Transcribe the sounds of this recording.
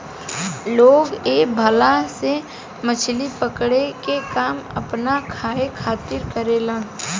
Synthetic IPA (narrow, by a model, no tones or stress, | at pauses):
loːɡeːbʱəlase | mət͡ʃʰlipəkɽekekaːmə̰pnakʰaːekʰaːt̪ɪɾkəɾeːlãː